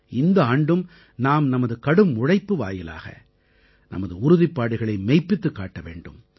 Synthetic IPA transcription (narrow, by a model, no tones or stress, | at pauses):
ɪnd̪ɐaːɳɖɯm | naːmnɐmɐðɯkɐɽɯmːʊɻɐɪpːɯʋa̰ːjɪla̰ːɣɐ̰ | nɐ̰mɐðɯʊɾʊðɪpːaːɽɯɣɐɭɐɪmɛɪpːɪt̪ːɯkːa̰ːʈːɐʋḛːɳɖɯ̰m